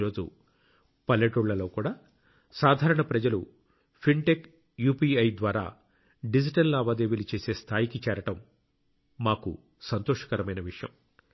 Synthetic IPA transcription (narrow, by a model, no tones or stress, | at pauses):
ɾo̞ːd͡ʒṵ | pɐlːɐʈuɭːɐlo̞ːkuːɽaː | saːd̪ʱaːɾɐɳɐpɾɐd͡ʒɐlu | pʰiɳʈek | juːpiːɐjd̪ʋaːɾa̰ː | ɖid͡ʒiʈɐlːaːʋaːd̪eːʋilit͡ʃe̞ːse̞ːst̪ʰaːjikit͡ʃɛːɾɐʈɐmː | aːkṵ | sɐnt̪oːʂɐ̥kɐɾɐmɐjnɐʋiʂjɐ̰m